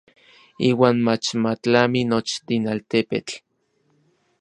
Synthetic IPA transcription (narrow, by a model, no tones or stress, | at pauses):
iːwaːnmat͡ʃmat͡ɬaminot͡ʃt̪inalt̪epḛt͡ɬ